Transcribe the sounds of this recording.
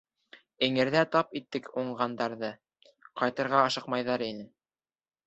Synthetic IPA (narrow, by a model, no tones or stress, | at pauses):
ɘ̆ŋɘ̆ɾðæt̪ɑpit̪ːɘkuɴɢɑnd̪ɑɾðɤ | qɑjt̪ɤ̆ɾʁɑɑʃɤ̆qmɑjðɑɾinɘ